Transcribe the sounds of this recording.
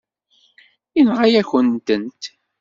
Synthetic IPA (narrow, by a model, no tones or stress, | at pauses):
inʁajæçənt̪ənt̪